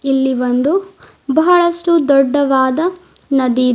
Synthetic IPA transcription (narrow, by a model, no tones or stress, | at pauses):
ilːiʋɐnd̪u | bɐɦɐɭɐsʈud̪ɔɖːɐʋaːd̪ɐ | nɐd̪i